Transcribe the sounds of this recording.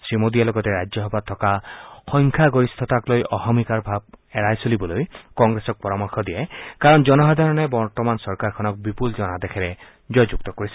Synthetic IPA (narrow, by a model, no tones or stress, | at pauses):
sɹimodijalɔɡɔtɛɹajɔɦɔbat̪ʰːɔkaxɔŋkʰaɡoɹist̪ʰɔtaklojɔxɔmikaɹbʱab̚ɛɹajsolibɔlojkɔŋɡɹesɔk̚pɔɹamɔɹxʰɔd̪iɛkaɹɔnd͡ʒɔnɔɦad̪ʱaɹɔnɛbɔɹtɔmansɔɹkaɹkʰɔnɔk̚bipulzɔnadɛkʰɛɹɛ | d͡ʒɔjd͡ʒuk̚tɔkoɹisɛ